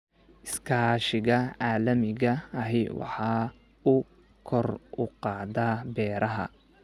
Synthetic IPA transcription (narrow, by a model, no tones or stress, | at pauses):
ʔɪskʰaːʃɪɣɐʕɑːlɐmɪɣɐɐɦɛwɑ̰ħɑː | ʊ | kʰɔrʊqɑːðaːbɛːɾɐɦɐ̰